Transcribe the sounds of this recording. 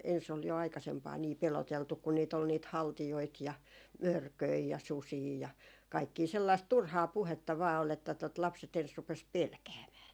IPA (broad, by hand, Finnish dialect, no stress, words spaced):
ens ol jo ɑikɑsempɑː niː peloteltuk kun niːt ol niːt hɑltijoit jɑ mørkøi jɑ susiː jɑ kɑikːiː selːɑist turhɑː puhetːɑ ʋɑː ol etːæ tot lɑpset ens rupes pelkæːmæː